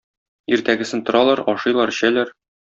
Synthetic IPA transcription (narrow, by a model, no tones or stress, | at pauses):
iɾt̪æɡɘ̆sɘnt̪ŏɾɑlˠɑɾɒʃɤ̆jlˠɑɾ̆ɕælæɾ